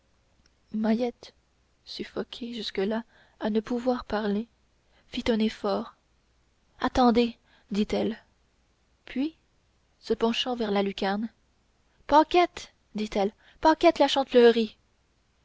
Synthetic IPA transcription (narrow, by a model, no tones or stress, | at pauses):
majɛt̪ | syfɔkʲʰeʒyskəla | anəpuvwaʁpaʁle | fit̪œ̃nefɔːʁ | at̪ɑ̃d̪e | d̪it̪ɛl | pʰɥi | səpɑ̃ʃɑ̃vɛʁlalykʲaʁn | pɑ̃kʲɛt̪ | d̪it̪ɛl | pɑ̃kʲɛt̪laʃɑ̃t̪lœʁi